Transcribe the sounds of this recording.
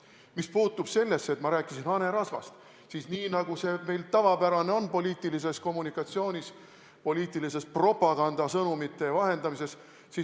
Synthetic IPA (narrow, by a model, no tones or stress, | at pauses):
mispuːt̪ːˑub̥se̞lːe̞sːe̞t̪mɑɾæːkˑisinɑne̞ɾɑsvɑ̰st̪ | sisniːnɑɡ̥use̞me̞jlt̪ɑvɑpæɾɑne̞o̞npo̞liːt̪ːˑilis̬esko̞mːunikːˑɑt̪sio̞ːnʲis | po̞liːt̪ːˑilise̞spro̞pːˑɑɡ̥ɑnd̪̥ɑsɤnumit̪ːˑe̞vɑɦe̞nd̪ɑmise̞s | si